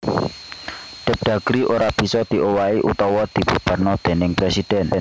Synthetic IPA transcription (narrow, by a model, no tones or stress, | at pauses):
ɖ̥ə̤p̚ɖ̪̥a̤ɡ̥ɾiʔoɾab̥i̤sɔd̪̥i̤ʔowaeʔut̪ɔwɔd̪̥i̤bub̥a̤rnɔd̪̥e̤nɪŋpɾesid̪̥ɛn